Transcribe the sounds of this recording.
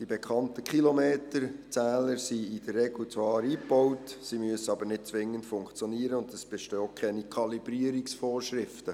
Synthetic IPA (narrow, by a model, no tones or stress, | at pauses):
d̥ibɛkʰɑntəkχilomeːtəɾt͡sæːləɾsiid̥ərːɛɡlut͡sʋɑːɾiːpɔwtsimyəsəɑbəɾnɪt̚t͡sʋɪŋːəntfʊŋkt͡sjɔniəɾəʊndəsb̥ɛʃtɔːkʰχɛnikʰɑlibɾiəɾiksfɔːrʃɾɪftə